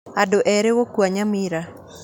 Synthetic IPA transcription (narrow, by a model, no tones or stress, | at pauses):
adoʔɛɾewokwaɲamiɾa